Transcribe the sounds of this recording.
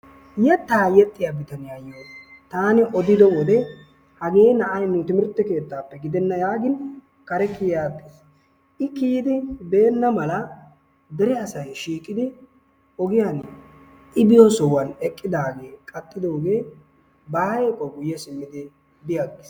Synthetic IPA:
jɛt̪ːaːjɛt̪ʼːɪjabɪt̪ɐnɪjajːoːt̪aːnɪʔɔd̪ɪd̪ɔwɔd̪ɛ | hɐɡe̞ːnɐʔɐjnʊt̪ɪmɪɾt̪ːɛke̞ːt̪ːaːpːɛɡɪd̪ɛnːɐjaːɡɪn | kɐɾɛkɪjjaːt̪ːe̥s | ʔɪkiːd̪ɪbe̞ːnːɐmɐlɐ | d̪ɛɾɛɐsɐjʃiːkʼːɪd̪ɪ | ɔɡɪjan | ʔɪbɪjɔsɔwɐnɛkʼːɪd̪aːɡe̞ːkʼɐt̪ʼːɪd̪o̞ːɡe̞ː | bɐːɾeːkʼːɔɡʊjːɛsɪmːɪd̪ɪ | d̪ɪjaɡɪs

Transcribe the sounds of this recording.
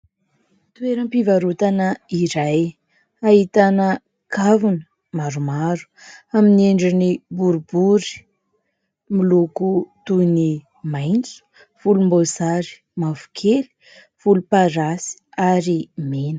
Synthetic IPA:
t̪ueɾəmpivaɾut̪anəiɾaj | ait̪anə | kʰavunə | maɾumaɾu̥amineɳɖ͡ʐinibuɾubuɾi̥ | milukut̪uni | majnt͡su̥ | v̥ulumbozaɾi̥ | mavu̥kʰeli̥ | v̥ulupaɾasi̥aɾimenə̥

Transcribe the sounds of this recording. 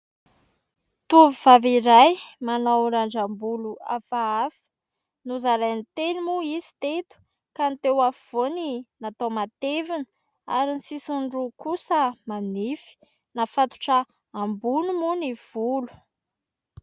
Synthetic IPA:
t̪uvivaviɾajmanawɾaɳd͡ʒambuluafaafi̥ | nuzaɾajnit̪enimuizi̥t̪et̪u̥ | kant̪ewav̥oninat̪omat̪evinə | a̰ɾinisisuɳɖ͡ʐukusəmanifi̥ | nafat̪u̥ʈ͡ʂə | ambunumuniv̥ulu̥

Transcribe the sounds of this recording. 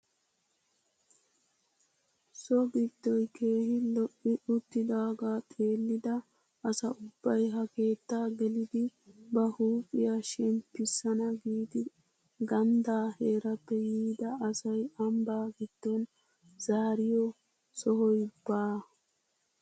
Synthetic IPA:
sɔɡɪd̪̥ːɔjkʰe̞ːhɪlɔʔːɪʔʊt̪ːɪd̪aːɡaːt̪ʼe̞ːlːɪd̪ɐ | ɐsɐʊbːɐjɦɐke̞ːt̪ːaːɡɛlɪd̪ɪbɐhuːpʼːɪjaːʃɛmpːɪsːɐnɐɡiːd̪ɪ | ɡɐnd̪aːhe̞ːɾɐpːɛjiːd̪ɐɐsɐjɐmbaːɡɪd̪̥ːɔn | zaːɾɪjɔ | sɔɦɔjbːaː

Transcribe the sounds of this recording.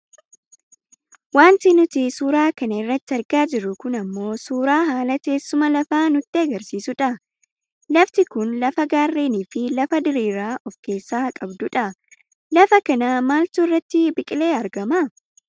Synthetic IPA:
waːnt̪ɪnʊt̪ɪsuːɾaːkɐnɐɪrːɐt̪ːɪɐɾɡaːd͡ʒɪɾːʊkʊnɐmːo̞ːsuːɾaːɦaːlɐke̞ːsːʊmɐlɐfaːnʊt̪ːɪɐɡɐɾsiːsʊᶑɐ | lɐft̪ɪkʊnlɐfɐɡaːrːeːniːfɪlɐfɐd̪ɪɾiːɾaːʔɔfke̞ːsːaːkʼɐbd̪ʊᶑɐ | lɐfɐkɐnaːmaːlt̪ʊɪrːɐt̪ːɪbɪkʼɪle̞ːɐɾɡɐmɐ

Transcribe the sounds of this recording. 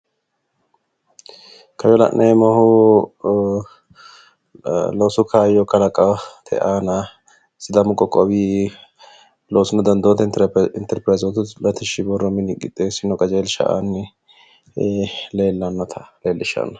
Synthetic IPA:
kʰɐjɔlɐ̰ʔnʔejmɔhʊ | lɔwsʊkʰaːjɔkɐlɐkʼɐt̪ʰɛ̰ʔaːnɐ | sɪd̪ɐmʊkʼɔkʼːɔwiː | lowsʊnɐd̪ɐnd̪ot̪ɛɪnt̪ɛɾpɾɐzɔt̪ʊlɐt̪ɪʃɪbɔrːɔmɪnɪkʼːɪt̪ʼːeːsɪnːɔkʼɐd͡ʒeːlʃɐ̰ʔa̰nːɪ | le̞ːlːɐnːɔt̪ʰɐ̥leːlːɪʃɐ̰nːɐ

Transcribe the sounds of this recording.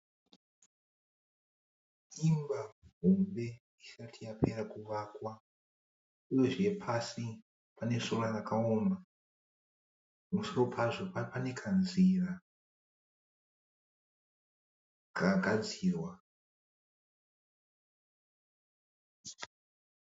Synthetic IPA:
imbaɦombe̞ | isatʰijapʰe̞ɾakuʋakwa | uje̞ʐie̞pʰasi | pane̞sonarakaoma | musuro̞pʰaʐopapane̞kʰanziːra | ɡaɡʱad͡ziːrwa

